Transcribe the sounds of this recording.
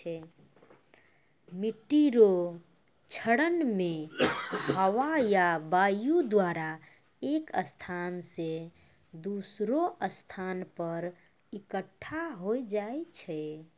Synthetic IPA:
ɛ | miʈiɾo | t͡ʃʰəɽənme | həwajabajud̪waɾa | ekəst̪ʰansẽ | d̪usɾoʔəst̪ʰanpəɾ | ikəʈʰːaɦojd͡ʒaet͡ʃʰɛ

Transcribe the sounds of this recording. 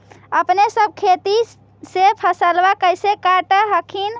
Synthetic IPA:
əpnesəb̚ʱkʰet̪i | sepʰəsəlbakəjsekaʈəɦəkʰin

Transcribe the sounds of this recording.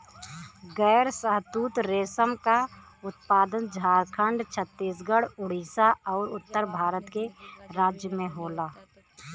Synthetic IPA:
ɡɛːɾsəɦt̪uːt̪ɾeːsəmka | ʊt̪̚paːd̪ənd͡ʒʱaːɾkʰə̃ɳɖt͡ʃʰət̪ːiːsɡəɽʊɽ̤iːsaɔːɾʊt̪ːəɾbʱaːɾət̪keɾaːd͡ʒjəmẽɦoːlaː

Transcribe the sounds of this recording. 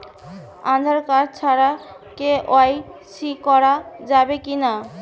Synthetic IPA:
ã̰d̪ʱaɾkaɾt͡ɕʰaɾa | keoajsikɔɾad͡ʑabekina

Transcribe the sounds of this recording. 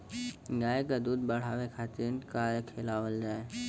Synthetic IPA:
ɡaːekad̪uːd̪̚bəɽ̤aːʋekʰaːt̪inkaːɾekʰeːlaːwəld͡ʒaːe

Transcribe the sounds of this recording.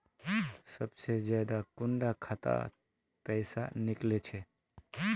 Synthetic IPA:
səbsezjad̪akʊɳɖakʰat̪a̰ | pɛjsa̰nɪklet͡ʃʰe

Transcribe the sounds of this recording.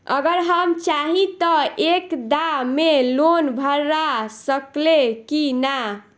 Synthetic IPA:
ə̰ɡəɾɦəmt͡ʃaɦit̪əekd̪amelonbʱəɾːasəklekina

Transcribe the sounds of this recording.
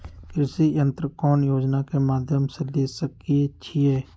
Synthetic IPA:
kɪɾɪsijə̃nt̪ɾəkɔːnjoːd͡ʒnakemaːd̪ʱjəmseleːsəkiet͡ʃʰiɦɛː

